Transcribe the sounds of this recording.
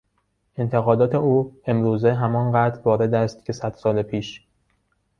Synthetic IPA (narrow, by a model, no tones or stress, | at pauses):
ʔe̞nt̪ʰe̞ɣɒːd̪ɒːt̪ʰe̞uːe̞mɾuːzeɦæmɒːnɢæːd̪ɾvɒːɾe̞d̪æst̪̚cʰe̞sæd̪̥sɒːlepʰiːʃ